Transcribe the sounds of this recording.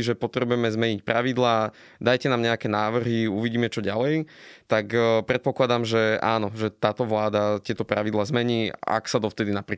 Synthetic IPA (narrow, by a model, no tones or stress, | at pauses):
ʒɛpɔt̪ɾɛbujɛmɛzmɛɲic̚pɾaʋid̪laː | d̪ajcɛnaːmɲɛakɛnaːʋr̩ɦiuʋiɟiːmɛt͡ʃɔɟalɛjt̪akpɾɛt̪̚pɔklad̪amʒɛa̰ːnɔʒɛt̪aːt̪ɔʋlaːd̪at̪ɪɛt̪ɔpɾaʋid̪laːzmɛɲiːa̰ksad̪ɔft̪ɛd̪inapɾiː